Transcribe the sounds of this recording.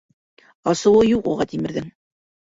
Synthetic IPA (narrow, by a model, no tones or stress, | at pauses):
ɑsɤ̆wɤjuquʁɑt̪ʰimɘ̆ɾðɘŋ